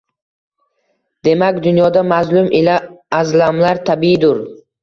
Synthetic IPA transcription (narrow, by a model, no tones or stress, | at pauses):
d̪̥e̞makʲd̪ʊnjɒd̪amazlʊmʔilaːzlamlaɾt̪ʰabiɪd̪ʊɾ